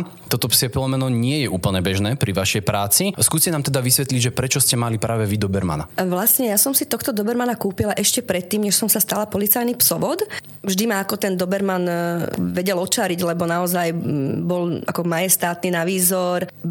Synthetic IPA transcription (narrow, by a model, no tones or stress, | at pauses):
t̪ɔt̪ɔpsɛfilˠɔmɛnɔɲɪɛjɛʔuːpl̩ɲɛbɛʒnɛːpɾiʋaʃɛjpɾaːt͡siskuːscɛnaːmt̪ɛd̪aʋisʋɛt̪liɟʒɛpɾɛt͡ʃɔscɛmalipɾaːʋɛʋid̪ɔbɛɾma̰na̰ʋlasɲɛjasɔmsit̪ɔxt̪ɔd̪ɔbɛɾmanakuːpilaʔɛʃcɛpɾɛt̪ːiːmɲɛʃsɔmsast̪alapɔlit͡sajnipsɔʋɔt̪ | vʒd̪imaːkɔt̪ɛnd̪ɔbɛɾmanʋɛɟɛlɔt͡ʃaɾiɟlɛbɔnaɔzajbɔlakɔmajɛst̪aːt̪ninaʋiːzɔɾ